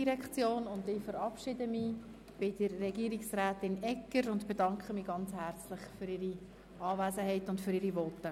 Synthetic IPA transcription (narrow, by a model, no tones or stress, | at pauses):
iɾɛkt͡sjoːnʊndɪfəɾɑpʃɪdəmiː | b̥ɪd̥əɾːɛɡiːəɾiksræːtɪnɛkːəɾʊndb̥edɑŋkχəmiːɡɑnt͡shært͡slɪχføɾɪɾi | ɑːvæːzəɦɛɪtʊntfʏɾiɾivɔt̪ːə